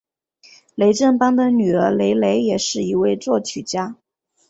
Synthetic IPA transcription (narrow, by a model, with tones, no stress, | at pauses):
le˧˥ɪʈ͡ʂə˥˩npɑ˥ŋd̪ə˨ny˨˩ə˞˧˥le˧˥ɪle˧˥ɪjɛ˨˩ʂɻ̩˥˩i˧˥we˥˧ɪt͡swɔ˥˩t͡ɕʰy˨˩t͡ɕja˥